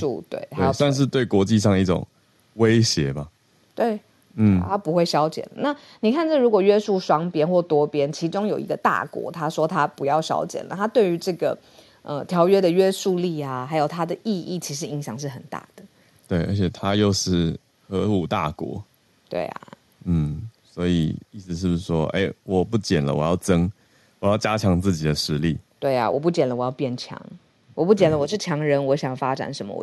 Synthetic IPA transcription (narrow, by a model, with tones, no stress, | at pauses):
ṵ˥˧t̪wḛ˥˩ɪe˥˩sa˥˧nʂ̬ɻ̩˥˧t̪we˥˩ɪkwɔ˧˦t͡ɕi˥˧ʂ̬ɑ˥˧ŋi˥˩ʈ͡ʂʊ̰˨˩ŋ | we˦ɪɕjɛ˧˦ba˦ | t̪we˥˩ɪ | n̩˥t̪ʰa˥pu˧˥xwe˥˩ɪɕjɑ˥ʊt͡ɕjɛ̰˨˩nlə̰˩˦na˥˨ | ni˨˩kʰa˥˩nʈ͡ʂə˥˩ɻu˧˥kwɔ˨˩ɥɛ˥su˥˩ʂwɑ˥ŋpjɛ˥nxwɔ˥˩t̪wɔ˥pjɛ˦nt͡ɕʰi˧˥ʈ͡ʂʊ˥ŋjo˨˩ʊḭ˧˥ɡə˧t̪a̰˥˩kwɔ̰˧˥˦t̪ʰa˦˥ʂwɔ˥t̪ʰa˦pu˨˦jɑ˥˩ʊɕjɑ̰˥ʊt͡ɕjɛ̰˨˩nlə̰˩t̪ʰa˥t̪we˥˩ɪy˧˥ʈ͡ʂɤ˥˩ɡə˩ | ə̰˧˩t̪ʰjɑ˧˥ʊɥɛ˥d̪ə˨ɥɛ˥su˥˧li˥˩a˩xa˧˥ɪjo˨˩ʊt̪ʰa˥d̪ə˨ʔi˥˧i˥˩t͡ɕʰi˧˥ʂ̬ɻ̩˧˥i˧˥ŋɕjɑ˨˩ŋʂ̬ɻ̩˥˩xə˨˩nt̪a̰˥˩d̪̥ə˩ | t̪we˥˩ɪʔə̰˞˧˥t͡ɕʰjɛ˨˩t̪ʰa˦jo˥˧ʊʂɻ̩˥˩ | xɤ˧˥u˨˩t̪a̰˥˩kwɔ̰˧˥˦ | t̪wḛ˥˩ɪa̰˩ | n̩˥˩swɔ˧˥i˨˩i˥˩s̩˧ʂ̬ɻ̩˥˩uʂ̩˥˧˩ʂwɔ˥ʔḛ˥˩ɪwɔ˨˩pu˥˩t͡ɕjɛ˨˩nlə̰˦wɔ̰˨˩jɑ˥˩ʊʈ͡ʂə˥ŋ | wɔ˨jɑ˥˩ʊt͡ɕja˥t͡ɕʰjɑ˧˥ŋt͡sɹ̩˥˩t͡ɕi˨˩d̪ə˦ʂɻ̩˧˥li˥˩t̪we˥˩ɪa̰˨˩wɔ̰˨˩p̬u˥˩t͡ɕjɛ˨˩nlə˦wɔ˨˩jɑ˥˧ʊpjɛ˥˩nt͡ɕʰjɑ̰˧˥ŋ | wɔ˨˩pu˥˩t͡ɕjɛ˨˩nlə˦wɔ˨˩ʂɻ̩˥˩t͡ɕʰjɑ˧˥ŋɻə˧˥nwɔ˧˥ɕ̬jŋjʊfa˦˥ʈ͡ʂa̰˨˩nʂə˧˥nmə̰˧w̰